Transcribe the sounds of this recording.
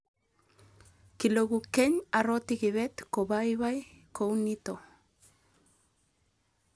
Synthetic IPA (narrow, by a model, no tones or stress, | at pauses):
kiloɣukeɲarot̪ikiβet̪kobajβajkownit̪o